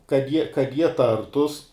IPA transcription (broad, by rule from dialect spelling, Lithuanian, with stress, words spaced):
kɐt ˈjiɛ kɐt ˈjiɛ ˈtɐrtʊs